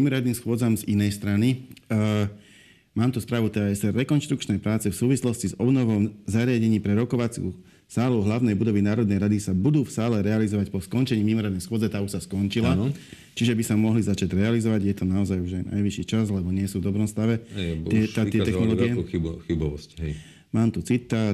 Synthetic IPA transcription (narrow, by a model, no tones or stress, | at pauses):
mimɔɾɪad̪niːmsxwʊɔd͡zamzinɛjst̪ɾani | maːmt̪uspɾaːʋut̪ɛɛsɛɾɛkɔnʃt̪ɾukt͡ʃnɛjpɾaːt͡sɛfsuːʋislɔscizɔbnɔʋɔmzaɾɪaɟɛɲiːpɾɛɾɔkɔʋat͡sṵː | saːlɔʊɦlaʊnɛjbud̪ɔʋinaːɾɔd̪nɛjɾad̪isabud̪uːfsaːlɛɾɛalizɔʋacpɔskɔnt͡ʃɛɲiːmimɔɾɪad̪nɛjsxʊɔd͡zɛt̪aːuʃsaskɔnt͡ʃila | t͡ʃiʒɛbisamɔɦlizat͡ʃaɟɾɛalizɔʋaɟjɛt̪ɔnaɔzajuʒajnʔa̰jʋiʃiːt͡ʃazlɛbɔɲɪɛsuːvd̪ɔbɾɔmst̪aʋɛɛt̪aɪɛɛxnɔlɔːɡiɛis | maːmt̪ut͡sit̪ːa